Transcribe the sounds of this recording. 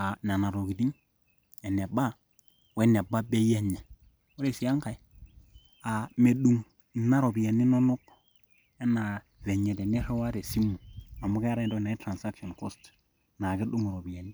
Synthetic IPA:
a˨na˨na˨ɾo˨ki˨di˦ŋ | e˨ne˨ba˦ | we˦ne˨ba˦be˦je˦ɲa˨ | o˦ɾe˨si˨a˦ŋka˨i˦ | a˨me˨ɗu˨ŋ | i˨nːa˦ɾo˨bi˨ja˨ni˦no˦nu˦k | e˦na˨ | ve˨ɲe˨de˨ni˦ɾe˦wa˦ɾe˨si˦mu˨a˨mu˦ke˦a˦ɾa˦do˦na˨i˦tɾa˨nsa˦kʃo˨nko˦st | na˨ki˦du˦ŋ˨ɾo˨bi˨ja˨ni˦

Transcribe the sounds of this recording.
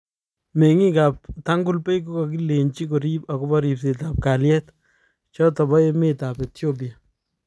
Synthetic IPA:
me˨ŋi˦ka˨p̚ta˦ŋɡu˦lpe˦jk̬o˦kɔ˨k̬i˦le˨nt͡ʃi˦ko˨ɾi˦pa˨kɔ˦bɔ˦ɾi˨p̚se˨ta˨p̚ka˨ljɛ˦t | t͡ʃɔtɔ˨bɔ˦e˦meta˨pe˨tjob̬i˨a˨

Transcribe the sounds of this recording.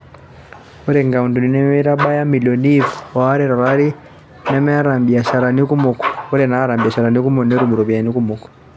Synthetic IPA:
ɾɛ˨ŋɡa˨u˨ndu˨ni˦nɛ˦mɛ˦ɾa˦ɓa˦ja˦mi˨lɔ˨nifa˦ɾɛ˦ɾa˨ɾaɾi˦ | nɛ˦mɛ˦a˦ɾa˨mbi˨a˨ʃa˨ɾa˨ni˦ku˦mɔ˨kɔ̥ɔ˦ɾɛnaː˦ɾa˨mbi˨a˨ʃa˨ɾa˨ni˦ku˦mɔ˨nɛ˦ɔ˦ɾi˨mu˨ɾɔ˨bia˨ni˦ku˦mɔ˨kɔ̥

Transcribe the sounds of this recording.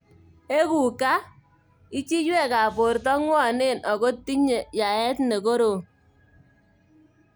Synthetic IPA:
e˦ku˨ka˦ | i˦t͡ʃi˦d͡ʒwɛ˦˨ka˨po˨ɾtɔ˦ŋwɔ˦˨ne˦˨nʔɔ˨ko˦ti˦ɲe˨ja˨ɛ˦tne˨ko˦ɾo˨

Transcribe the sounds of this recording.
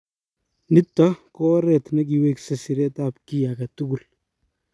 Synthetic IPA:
nɪ˦tːɔ˦kɔ˦ɾɛ˨tnɐ˦k̬i˨we˦ksɐ˨si˨ɾɛ˦ta˨pki˦jakɐ˨tu˦ku˨l

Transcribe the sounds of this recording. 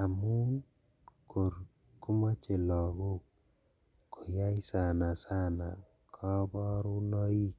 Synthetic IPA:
a˨mu˦n | ko˨ɾ | ku˦mɔ˦t͡ʃe˨lɔ˨ɡu˦k̚ | kːo˨ja˦jsa˨na˨sa˦na̰˨ | kʰɔ˦bɔ˦ɾu˦nɔ˦i˦

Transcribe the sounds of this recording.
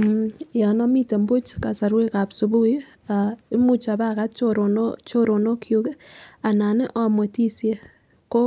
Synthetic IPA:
ja˨nɔ˦mi˦te˨mbu˦t͡ʃka˨sa˨ɾwe˦ka˨psu˨bu˦j | a˨i˦mu˦t͡ʃa˨ba˦ka˦t̚t͡ʃoɾo˨not͡ʃo˦ɾo˨no˦kʰju˦ke˦a˨na˨nɪ˦ʔɔ˦mwe˨ti˦sje˦˨ | ko˦

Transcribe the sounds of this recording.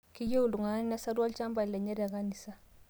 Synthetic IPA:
ki˦jo˦u˨lu˨ŋa˨˦ni˦na˦sa˦dwa˦lt͡ʃa˦mba˨lɛ˨ɲɛ˦ɾa˨ka˦ni˨sa˦

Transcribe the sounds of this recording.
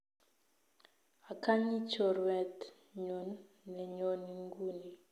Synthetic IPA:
a˨ka˦ɲi˦t͡ʃɔ˨ɾwɛ˨t̪ | ɲo˨n | nɛ˨ɲo˨ni˨ŋɡu˦ni˨

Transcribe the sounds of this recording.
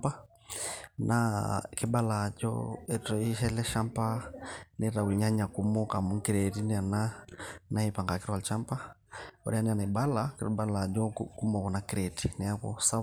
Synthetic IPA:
pa˦ | nʔaki˦ba˦lad͡ʒɔ̰ɛtɔ˨iʃɛ˦lɛ˦ʃa˦mpa˦nɛɾa˨wu˨ɲa˦ɲa˨ku˦mɔ˦ka˨mu˦ŋki˦ɾɛti˦nɛ˦a˨nana˦ɛpa˨ŋɡa˨ki˦ɾɔkalt͡ʃa˦mpa˦ɔ̰˨ɾi˦a˦nɛ˦a˨na˨i˨ba˦lakiɾɔba˦lad͡ʒɔ˦ku˦mɔ˨kɔ˨nakiɾɛti˨nɛ˨a˦kɔ̰sa˦

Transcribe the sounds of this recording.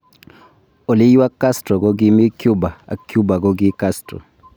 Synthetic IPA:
o˨lɪ˦jwa˦ka˦stɾɔ˨ɡo˦ɡɪ˦mɪ˦kju˦ba˨a̰˨kju˦ba˨ɡo˦ɡɪ˦ka˦stɾɔ̰˨

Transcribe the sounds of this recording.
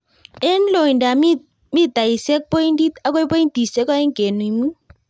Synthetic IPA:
e˦n˦lo˨i˨nda˨ | mi˦t̪a˨i˨se˦k̚po˦i˦ndi˦t̪a˦ko˦jpo˦i˦nti˨se˦kɔ˦e˦ŋke˨nu˨i˨mu˦

